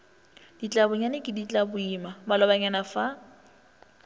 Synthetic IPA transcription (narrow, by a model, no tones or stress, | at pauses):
d̥it͡ɬʼabʊɲanɪkʼɪdit͡ɬʼabʊimamalɔbaɲanafa